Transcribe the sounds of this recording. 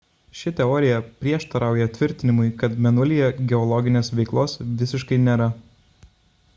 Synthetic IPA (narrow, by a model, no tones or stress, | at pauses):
ʃʲɪt̪ʲɛɔːɾʲɪjɛpʲɾʲiɛʃt̪ɐɾɑˑʊjɛt̪ʲʋʲɪɾʲt̪ʲɪnʲɪmʊɪkɐt̪mʲɛnʊlʲijɛɡʲɛɔlˠɔɡʲɪnʲeːsʋʲɛɪklˠoːsʋʲɪsʲɪʃkɐɪnʲeːɾɐ